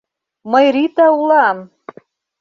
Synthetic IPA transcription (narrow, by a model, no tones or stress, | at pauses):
mɤjɾit̪ɑulˠɑm